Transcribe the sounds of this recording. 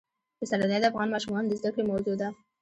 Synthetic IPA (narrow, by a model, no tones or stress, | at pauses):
bəsalad̪ad̪afɣɑnmɑʃumɑnd̪əzd̪akɽemawzud̪a